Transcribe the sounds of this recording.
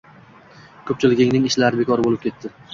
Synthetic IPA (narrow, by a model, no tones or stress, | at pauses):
kʰɵp̚t͡ʃʰɪlɪɡʲɪŋnɪŋɪʃlaɾɪbe̞kʰɒɾɪbolɪpkʰʲe̞t̪ːɪ